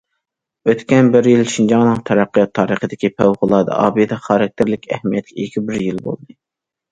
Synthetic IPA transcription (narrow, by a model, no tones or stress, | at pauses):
øt̪kʲɛnbɪɾjilʃind͡ʒɑŋnɨŋt̪ʰɛɾɑqʰːjɑt̪ʰːɑːɾəχəd̪ɪkʲipʰæwʁʊlˠɑːd̪ɨ̰ʔɑ̰ːbijɨd̪ɛχɑɾɛk̚ʲt̪ʰɪɾlɪkʲɛ̰hmijɛt̪̚kʲʰɛikʲʰibɪɾjilbo̰lˠd̪ɨ